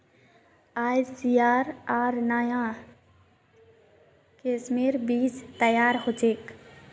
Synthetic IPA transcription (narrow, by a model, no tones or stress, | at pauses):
aːjsiːaːɾaːɾnaːjãː | keːsmeːɾbiːd͡ʒt̪əjaːɾɦot͡ʃeːk